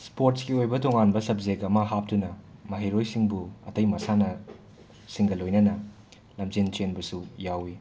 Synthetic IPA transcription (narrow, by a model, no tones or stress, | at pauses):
spoɾtskiojbɐtoŋanbɐsɐp̚zekɐmɐɦap̚tunɐmɐɦiɾojsiŋbuɐ̰tɐjmɐsanɐ | siŋɡɐlojnɐnɐ | lɐmzent͡ʃenbɐsujawi